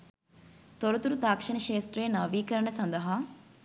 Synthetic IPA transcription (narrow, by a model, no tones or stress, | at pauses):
t̪oɾut̪uɾut̪aːkʂɐnɐʃeːst̪ɾejnɐʋiːkɐɾɐɳɐsɐnd̪ɐɦaː